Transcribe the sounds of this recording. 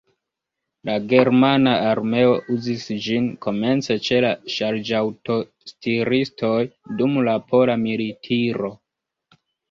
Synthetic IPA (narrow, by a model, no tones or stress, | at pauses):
laɡe̞ɾmanaaɾme̞o̞ʔuzisd͡ʒinko̞me̞nt͡set͡ʃe̞laʃaɾd͡ʒawto̞ | stiɾisto̞jdumlapo̞lamilitʰiɾo̞